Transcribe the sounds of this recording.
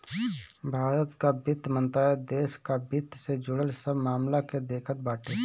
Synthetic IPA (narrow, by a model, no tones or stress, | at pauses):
bʱaːɾət̪kabɪt̪mə̃nt̪ɾaed̪eːʃkabɪt̪ʰsed͡ʒʊɽəlsəbmaːmlaked̪eːkʰət̪̚baːʈe